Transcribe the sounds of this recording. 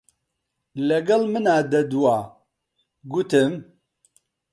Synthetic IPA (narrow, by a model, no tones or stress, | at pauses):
lɛɡɐlmɨnaːd̪ɐd̪uwaː | ɡut̪ɨm